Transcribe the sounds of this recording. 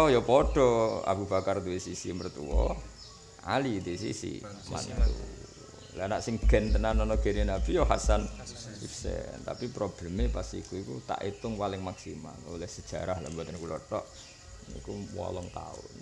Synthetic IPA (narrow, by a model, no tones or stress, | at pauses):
ɔhjɔpɔɖ̥ɔa̰bub̥a̤kart̪uisisimərt̪ṵwɔ | a̰lit̪uis̬ḭsḭma̰nt̪ṵ | lanaʔsɪŋɡ̥ɛ̤nt̪ənanɔnɔɡ̥eninab̥ijɔɦa̰sanifsɛ̰nt̪a̰pipɾob̥lɛmepasikuikut̪a̰ʔit̪ʊŋpalɪŋmaksima̰lwlɛhsəd̥ʒ̥a̤ɾahlambwat̪ənkulɔrt̪ɔʔ | ḭkumwɔ̰lɔŋt̪a̰ʊ̰n